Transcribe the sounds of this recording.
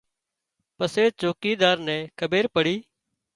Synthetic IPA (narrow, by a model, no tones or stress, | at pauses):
pəseːt͡ʃoːkiːd̪aːɾnɛ̃ːkʰəbeːɾpəɽiː